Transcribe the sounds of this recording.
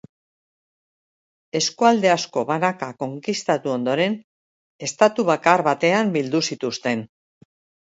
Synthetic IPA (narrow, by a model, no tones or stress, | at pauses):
e̞skuald̪e̞asko̞βanakako̞ŋkist̪at̪uo̞nd̪o̞ɾe̞n | e̞st̪at̪uβ̞akaɾβat̪e̞ambild̪usit̪ust̪e̞n